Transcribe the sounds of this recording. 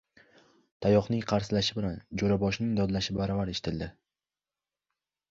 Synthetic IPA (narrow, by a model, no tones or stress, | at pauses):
t̪ʰajɒχnɪŋqʰɑɾsɪlaʃɪbɪland͡ʒoɾabɒʃnɪŋd̪ɒd̪laʃɪbaɾavaɾeʃɪ̥t̪ʰɪld̪ɪ